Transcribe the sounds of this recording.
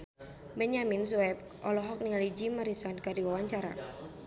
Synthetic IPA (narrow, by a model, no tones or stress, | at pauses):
bɛɲaminsuɛp̚ | ʔɔlɔɦɔk̚niŋalid͡ʒimaɾisankadiwawaɲt͡ʃaɾa̰